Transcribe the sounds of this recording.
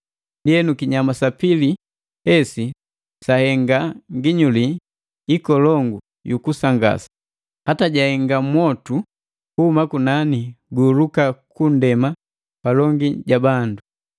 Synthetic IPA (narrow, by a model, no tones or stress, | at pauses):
ndijɛnukiɲamasapili | hɛsi | sahɛŋɡaŋɡiɲuli | ikɔlɔŋɡu | jukusaŋɡa̰sḁ | hataɟahɛŋɡamwɔtu | kuhumakunaniɡuːlukakundɛma | palɔŋɡiɟabandu